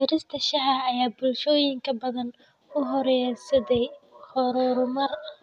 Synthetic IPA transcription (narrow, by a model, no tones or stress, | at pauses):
ɪɾɪst̪ʰɐʃɐɦɐɐjaːbʊlʃɔːjɪŋkʰɐbɐðɐn | ʊɦɔɾjɛsɐðɛjhɔɾɔɾʊmɐr